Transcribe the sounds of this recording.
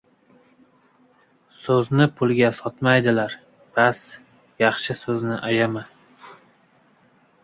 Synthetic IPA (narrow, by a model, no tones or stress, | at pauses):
sɵznɪpʰʊlˠɡʲasɒt̪majd̪ɪlaɾ | b̥as | jɑχʃɪsɵznɪʔajama